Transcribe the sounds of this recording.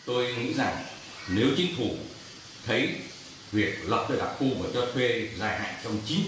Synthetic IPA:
t̪o˧jŋḭ˧˥za˨˩ŋ | ne˨˦wt͡ɕï˨˦ŋ̟fu˨˧˩ | t̪ʰə˨˦j | vi˨˩ək̚lə˨˩p̚ɗəː˨˧˩ɗa̰˨˩p̚xu˧vəː˨˩t͡ɕɔ˧t̪ʰwe˧zaː˧˩jɦa̰ː˧˨ŋt͡ɕɔ˧wŋ͡mt͡ɕi˨˦

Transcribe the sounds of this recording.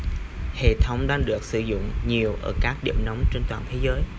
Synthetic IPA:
hḛ˧˨t̪ʰə˨˦wŋ͡mɗaː˧ŋɗɨ˨˩ək̚sɨ̰˧˩zʊ̰˧˨ŋ͡mɲi˨˩əwʔəː˧˩kaː˦˥k̚ɗḭ˧˨əmna˨˦wŋ͡mt͡ɕe˧nt̪waː˨˩t̪ʰe˨˦zəː˨˦j

